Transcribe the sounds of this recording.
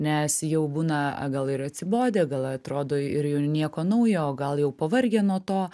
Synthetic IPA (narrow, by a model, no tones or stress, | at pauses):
nʲɛsjɛʊbuːnɐ̰ɡɐlˠɪɾɐt̪ʲsʲɪboːd̪ʲeːɡɐlˠɐt̪ɾoːd̪oːɪɾjɛʊnʲiɛkoːnɐʊjoːɡɐlˠjɛʊpɐʋɐɾʲɡʲeːnoːt̪oː